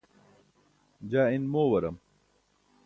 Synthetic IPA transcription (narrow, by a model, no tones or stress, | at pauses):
d͡ʑaːinmoːwɐɾɐm